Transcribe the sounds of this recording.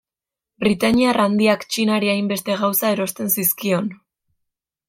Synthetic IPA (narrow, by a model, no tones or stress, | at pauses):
bɾit̪aɲiarand̪iakt͡ʃinaɾiajmbe̞st̪e̞ɣ̞awsae̞ɾo̞st̪e̞nsiskio̞n